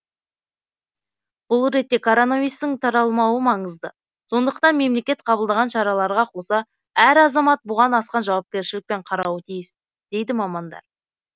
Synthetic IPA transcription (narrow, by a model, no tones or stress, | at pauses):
b̥ʊlˠɾe̞t̪ːe̞kʰoɾonavijst̪ɪŋt̪ʰɑɾɑlˠmɑwəmɑɴəzd̪ə | so̞nd̪əqt̪ɑnme̞mle̞kʲe̞t̪qʰɑbəlˠd̪ɑʁɑnʃɑɾɑlˠɑɾʁɑqʰo̞sɑ | æɾɑzɑmɑt̪̚bʊʁɑnɑsqɑnʒɑwɑp̚kʲe̞ɾʃɪlɪk̚pe̞ɴqʰɑɾɑwət̪ʰijɪs | d̪̥e̞jd̪ɪmɑmɑnd̪ɑ̰ɾ